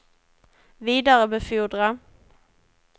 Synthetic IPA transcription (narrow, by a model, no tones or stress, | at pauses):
viːd̪aɾəmɛfuːɖɾa